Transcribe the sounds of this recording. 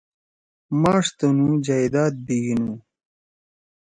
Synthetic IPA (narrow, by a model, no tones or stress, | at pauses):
maːʂt̪ɐnũd͡ʑajd̪aːt̪̚biɡinu